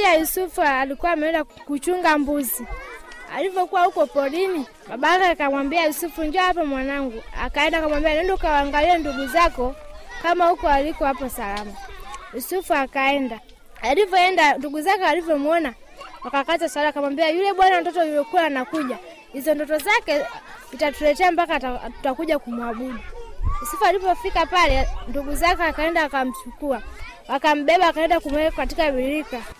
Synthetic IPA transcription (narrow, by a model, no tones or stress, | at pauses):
iajusufualikuwamɛɛndakut͡ʃuŋɡambuzia̰livɔkuwahukɔpɔɗini | maɓakakamwambiajusufuɲd͡ʒɔahap̬amwanaŋɡua̰kaɛndakamwambianɛndɔkawaŋɡalilanduɡuzakɔkamahukɔalikɔhapɔsalamajusufuakaɛnda | alivɔɛndanduɡuzakɛalivjɔmuɔna | wakakazasalakamwambiajulɛɓwanam̩dɔtɔjulɛkulanakuʄa | hizɔndɔtɔzakɛzitatulɛtɛambakatu̥takuʄakumwaɓuɗujusufualipɔfikapalɛnduɡuzakɛakaɛndawakam̩sukua | wakam̩ɓɛɓawakaɛndakumwɛkkatikaɓiɾika